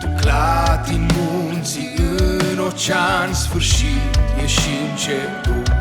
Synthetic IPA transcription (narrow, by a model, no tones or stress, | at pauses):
klat̪imunsiɨnot͡ʃansfɨɾʃijeʃint͡ʃe | pu